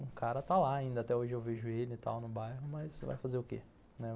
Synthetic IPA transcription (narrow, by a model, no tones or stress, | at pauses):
ʊ̃kaɾɐt̪alaːĩnd̪ɐat̪ɛoʒɪewveʒʊelɪɪt̪a̰wnʊbajɦʊmɐsva̰jfazeɾʊkḛ | nɛ